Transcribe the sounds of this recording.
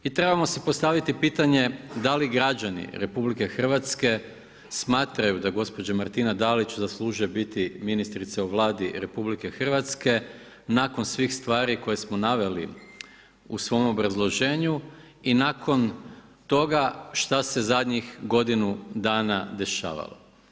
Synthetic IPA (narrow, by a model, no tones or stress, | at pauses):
it̪ɾe̞bamo̞sipo̞st̪aʋit̪ipiːt̪aɲe̞d̪aliɡɾad͡ʒanḭɾe̞publike̞xr̩ʋat̪ske̞ | smaːt̪ɾajud̪aɡo̞spo̞d͡ʑamaɾt̪inad̪alit͡ɕzaslˠuːʒebit̪iminist̪ɾit̪seuʋlˠaːd̪iɾe̞publike̞xr̩ʋat̪ske̞ | nako̞nsʋiːxst̪ʋaːɾiko̞je̞smo̞naʋe̞lḭ | usʋo̞mo̞bɾazlˠo̞ʒeːɲu | inakʰo̞nt̪o̞ɡaʃt̪ase̞zad̪ɲixɡo̞d̪inud̪aːnad̪e̞ʃa̰ːʋa̰lo̰